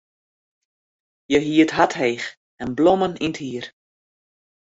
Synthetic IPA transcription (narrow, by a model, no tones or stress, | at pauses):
jəɦiətɦatɦejx | ɛnblɔməninthiər